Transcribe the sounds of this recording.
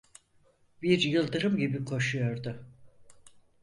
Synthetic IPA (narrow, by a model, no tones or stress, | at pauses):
biɾjɯlˠd̪ɯɾɯmɟibikʰo̞ʃujo̞ɾd̪ʊ